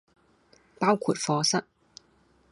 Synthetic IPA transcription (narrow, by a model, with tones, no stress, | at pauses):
paː˥wkʰuː˨˩t̚fɔː˨˧sɐ˥t̚